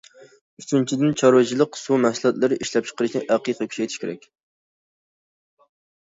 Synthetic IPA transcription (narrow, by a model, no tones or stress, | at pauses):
yt͡ʃ̪ynt͡ʃʰid̪ɪnt͡ʃʰɑɾwɨt͡ʃʰilˠəqsumæsɨlˠɑt̪lˠɨɾɨʔiʃlɛp̚t͡ʃʰə̥qəɾɨʃnɪʔæqiqʰɑkʲʰy̥ɛjt̪ʰiʃkʲʰeɾɛk̚ʲ